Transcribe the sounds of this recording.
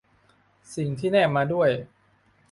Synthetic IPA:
si˨˩ŋt̪ʰiː˥˩nɛː˥˩mːaː˧du˥˩əj

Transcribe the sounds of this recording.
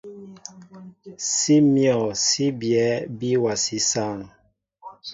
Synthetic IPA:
si˦mjɔ˨si˦bjɛ˨˦bi˦wa˨si˦sa˦˨ŋ

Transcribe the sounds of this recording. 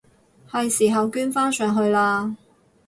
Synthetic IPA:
hɐ˨jsiː˨˩ɦɐ˨wkyː˥nfaː˥nsœː˨˩ŋɦɵ˧ɥlaː˧

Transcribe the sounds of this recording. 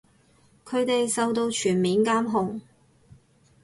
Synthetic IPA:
kʰɵ˨˧ɥt̪e˨jsɐ˨wt̪o˧wt͡ʃʰyː˨˩nmiː˨˧nkaː˥mɦʊ˨ŋ

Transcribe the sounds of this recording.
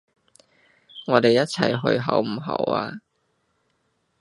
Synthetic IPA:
ŋɔː˨˧t̪e˨jːɐ˥t̚t͡sʰɐ˨˩jɦɵ̰˧ɥɦɐ˨˥wm̩˨˩ɦɐ̰˨˩˥wa̰ː˧

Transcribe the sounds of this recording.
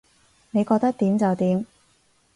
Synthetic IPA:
ne˨˧jkɔː˧k̚t̪ɐ˥k̚t̪iː˨˥mt͡sɐ˨wt̪iː˨˧m

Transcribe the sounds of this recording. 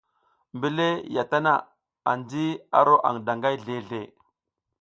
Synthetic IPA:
mbi˦˨le˦ja˨ta˦na̰˨ | a̰˨nd͡zi˦a̰˦ɾo˦ʔa̰˨ŋda˨ŋɡa˦jɮe˨ɮe˨

